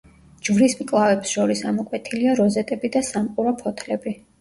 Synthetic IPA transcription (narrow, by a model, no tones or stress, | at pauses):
d͡ʒvɾismkʼlˠavɛpsʃɔɾisamɔkʼwɛt̪ʰiliaɾɔzɛt̪ʼɛbid̪asamqʼuɾɔpʰɔt̪ʰlɛbi